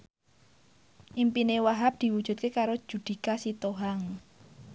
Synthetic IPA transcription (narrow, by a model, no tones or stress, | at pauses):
ʔimpinewaɦap̚d̪̥i̤wud̥ʒ̥ṳt̪̚kekaɾo̥ʒ̥ṳd̪̥i̤kasit̪oɦaŋ